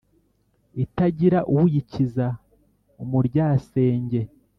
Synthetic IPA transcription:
itaɟiɾaʔuwujiciza | umuɾɟaːse̞ːɲɟe̞

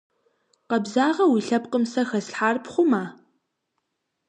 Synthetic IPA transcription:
qɐbzaːʁɐwiɬɐpqəmsɐxɐsħaːrpχʷʊmaː

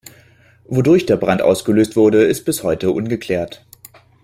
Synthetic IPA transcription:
vodʊɐçd̥eːɐbʁantʔa̰ʊsɡ̥əløːstv̥ʊɐdəɪst̚b̥ɪshɔʏtəʔʊnɡəkʰl̥ɛːɐt

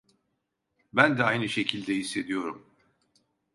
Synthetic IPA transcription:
bænd̪ɛajnɯʃe̞cʰilʲd̪ɛɦisːe̞d̪ijo̞ɾum

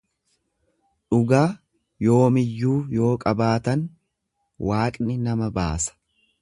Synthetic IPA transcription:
ᶑʊɡaː | jo̞ːmɪjːuːjo̞ːkʼɐbaːt̪ɐn | waːkʼnɪnɐmɐba̰ːsɐ̥

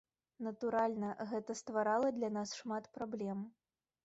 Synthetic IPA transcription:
nɐt̪uɾalʲnɐɣɛt̪ɐst̪vaɾalˠɐd̪lʲanasʂmat̪pɾablʲɛm

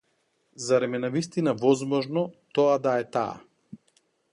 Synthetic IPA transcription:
zaɾɛmɛnavist̪inavɔzmɔʒnɔt̪ɔad̪aɛt̪a̰ː

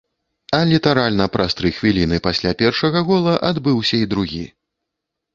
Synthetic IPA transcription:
ɐlʲit̪aɾalʲnɐpɾʔast̪ɾɨjxvʲilʲinɨpasʲlʲapʲɛrʂɐɣɐɣɔlˠɐʔad̪bɨwsʲɐid̪ɾuɣʲḭ

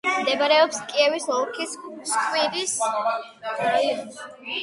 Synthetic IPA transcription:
md̪ɛbaɾɛɔpskʼiɛvisɔɾkʰisskʼwiɾis

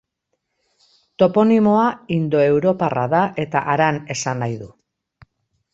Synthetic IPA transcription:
t̪o̞po̞nimo̞aind̪o̞e̞wɾo̞para̰ðaʔe̞t̪aʔaɾane̞sanajðu

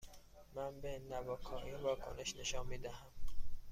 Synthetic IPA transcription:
mænbenæbɒːkʰɒːʔiːnvɒːkʰo̰ne̞ʃne̞ʃɒːnmiːd̪æɦæm

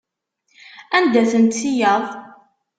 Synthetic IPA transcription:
ænd̪æθənt̪ːijəðˤ

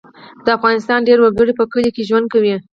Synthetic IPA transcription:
d̪̥əafɣɑnɪst̪ɑnɖeɾwəɡəɽipəkəlikeʒwand̪̚kawi

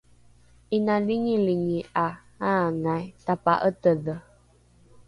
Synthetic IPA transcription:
ʔinaliɲiliɲiʔa | aŋajt̪apa̰ʔət̪əðə

